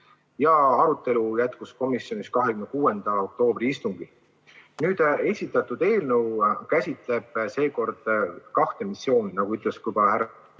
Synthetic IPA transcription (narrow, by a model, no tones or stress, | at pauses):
jɑɑɾut̪ːˑe̞lujæt̪kusko̞misjo̞niskɑɦekymnkuːe̞nd̪̥ɑo̞k̚t̪o̞ːbriist̪uŋɡ̥i | nyːd̪̥e̞sʲit̪ːˑɑt̪ːˑud̪̥e̞ːlnəwkæsʲit̪ˑle̞b̥se̞ːko̞rd̪̥kɑht̪e̞misjo̞ːninɑɡuyt̪ˑle̞skujbɑlhæɾ